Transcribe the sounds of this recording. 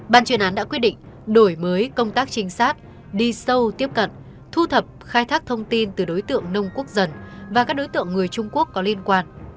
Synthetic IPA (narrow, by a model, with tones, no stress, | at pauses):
ɓaː˨˩nt͡ɕwi˨˩ənʔaː˨˦nɗa̰˧˥kwi˦˥t̚ɗḭ˧˨ŋ̟ | ɗo˧˩jməː˨˦jkə˧wŋ͡mt̪aː˦˥k̚t͡ɕï˨˦ŋ̟saː˦˥t̚ | ɗi˧sə˧wt̪i˦˥əp̚kə̰˧˨n | t̪ʰu˧t̪ʰə˨˩p̚xaː˧jt̪ʰaː˦˥k̚t̪ʰə˧wŋ͡mt̪i˧nt̪ɨ˨˩ɗo˨˦jt̪ɨ̰˧˨əŋnə˧wŋ͡mku˦˥ək̚zə˨˩nvaː˨˩kaː˦˥k̚ɗo˨˦jt̪ɨ̰˧˨əŋːɨ˨˩əjt͡ɕʊ˧ŋ͡mku˦˥əkːɔ˨˦li˧ənkwaː˧n